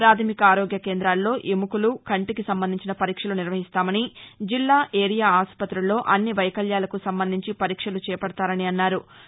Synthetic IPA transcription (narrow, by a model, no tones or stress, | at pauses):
pɾaːt̪ʰɐmikɐaːɾoːɡjɐkeːnd̪ɾaːlːo̞ːʔimukulukɐɳʈikisɐmbɐnd̪iɲt͡ʃinɐpɐɾiːkʂɐluniɾʋɐɦist̪aːmɐnid͡ʒilːaːʔeːɾijaːaːspɐt̪ɾulːo̞ːʔɐnːiʋɐjɐkɐljaːlɐkusɐmbɐnd̪ʱiɲt͡ʃipɐɾiːkʂɐlut͡ʃɛːjɐpɐɽɐt̪aːɾɐniɐnːaːɾu